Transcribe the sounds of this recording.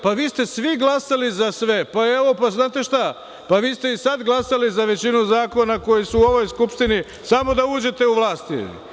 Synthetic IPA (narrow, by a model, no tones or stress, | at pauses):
paʋiːst̪e̞sʋiɡlasalizasʋe̞paeʋo̞paznaːt̪e̞ʃt̪a | paʋiːst̪e̞isad̪ɡlˠasalizaʋe̞t͡ɕinuzaːko̞nako̞jisuːo̞ʋo̞jskupʃt̪ini | samo̞d̪auːd͡ʑe̞t̪e̞uʋlˠaːst̪ḭ